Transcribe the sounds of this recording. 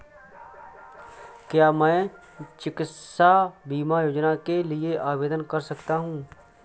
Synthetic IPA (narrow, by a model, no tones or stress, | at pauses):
kjaːmɛ̃ː | t͡ʃɪkɪt̪sabiːmajoːd͡ʒnakelieʔaːʋeːd̪ənkɐɾsɐkt̪aɦũː